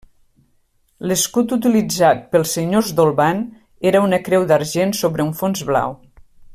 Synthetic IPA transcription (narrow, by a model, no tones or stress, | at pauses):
ləskut̪ut̪̬ilid͡zat̪̚pəlˠseɲozd̪olˠβan | eɾəunəkɾɛwðaɾʒensoβɾəuɱfonzβla̰w